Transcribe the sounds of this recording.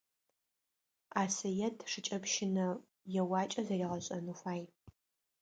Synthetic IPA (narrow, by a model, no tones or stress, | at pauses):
aːsɐjɛtʰʂɨt͡ʃʼɐpʃɪnɐ | jɛwaːt͡ʃʼɐzɐriːʁɐɕʼɐnufaːj